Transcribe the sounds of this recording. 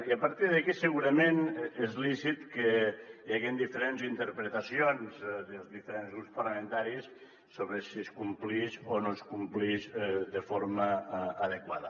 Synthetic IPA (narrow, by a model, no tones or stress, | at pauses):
iəpəɾt̪iðəkisəɣuɾəmenezlisit̪kəjaɣind̪ifəɾenzint̪əɾpɾet̪əsionzd̪əlˠzðifəɾenzɣɾupspɐrləmẽnt̪aɾis | soβɾesiskumpliʃonoskumpliʃðəfoɾməːðekwaðə